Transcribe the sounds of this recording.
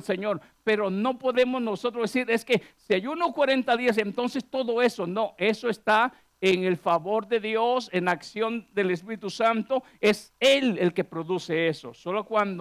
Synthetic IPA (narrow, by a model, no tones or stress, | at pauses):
seɲo̞ɾ | pe̞ɾo̞no̞po̞ðe̞mo̞zno̞so̞t̪ɾozd̪esiɾe̞skesiajunokwaɾe̞nt̪aðias̬ent̪o̞nsest̪o̞ðo̞e̞sono̞ʔe̞so̞est̪a | eŋe̞lfaβo̞ɾðe̞ðjosenlaksjo̞nd̪elespiɾit̪usant̪o̞ | e̞selelke̞pɾo̞ðuse̞eso̞̰solokwand̪